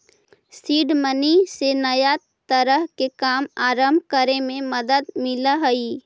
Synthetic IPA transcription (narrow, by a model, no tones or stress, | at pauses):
siːɖmənisenəja | t̪əɾəɦkekaːmaːɾəmbʱkəɾemẽməd̪əd̪mɪlaɦəi